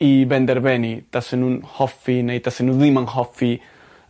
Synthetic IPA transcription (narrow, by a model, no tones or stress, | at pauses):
ibɛnd̪ɛɾbɛnit̪asenunhɔfinɛjt̪asenuðimaŋhɔfi